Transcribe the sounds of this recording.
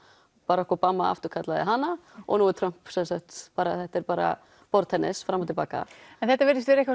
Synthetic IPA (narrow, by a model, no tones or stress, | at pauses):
paːɾaɔhkɔpaːmːaa̰ft̪ʏɾ̥kʰat̪laðɪɦanːaɔ̰ɣnuːɛɾt̪ʰɾœm̥psɛnsakt̪paːɾaθɛht̪ɛɾpaːɾa̰ | pɔɾt̪hɛnːɪsfɾamawt̪ɪlpaːka̰ɛnθɛht̪avɪɾðɪst̪vɛɾɛk